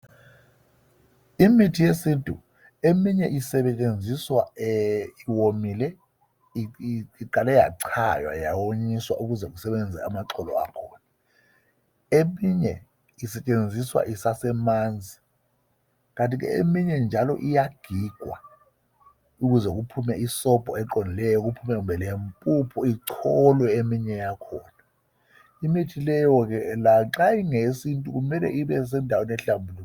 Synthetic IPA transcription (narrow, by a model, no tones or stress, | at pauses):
imitʰijesintʼṵ | emiɲɛʔisɛɓɛt͡ʃʼend͡zʱiswa | iwomilɛ | iǃalɛja̰ǀʰa̰jwa̰jawoɲiswa̰ʔuk̬uzɛk̬usɛɓɛnd͡zʱɛ̰amaǀɔlɔ̰a̰kʰɔːna | emiɲɛ̰ | isɛt͡ʃʼend͡zʱiswa̰ʔisasɛmand͡zʱi | k̬antʼik̬ɛ̰ḛmiɲɛnd͡ʒʱalɔ̰ʔijaɡ̥ʱiɡ̥ʱwa̰ | uk̬uzɛk̬upʰumɛisɔb̥ʱʼɔɛǃɔnilɛjɔk̬upʰumɛk̬umbʱɛlempʼupʰɔiǁʰɔlwɛemiɲɛjakʰɔːna | imitʰilɛjɔk̬ɛlaǁaiŋesintʼuk̬umɛlɛ̰ʔiɓɛs̬ɛndʱawenɛɬambʱulu